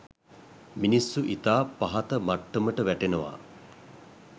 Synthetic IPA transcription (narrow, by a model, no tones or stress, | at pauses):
minisːuʔit̪aːpaɦat̪əmaʈːəməʈəʋæʈenəʋa̰